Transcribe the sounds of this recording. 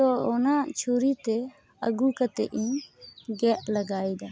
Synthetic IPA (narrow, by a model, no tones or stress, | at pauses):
ɔɔnat͡ʃʰuɾit̪ɛ | ə̰ɡukat̪ɛʔiɲɡɛʔlɐɡaːjd̪a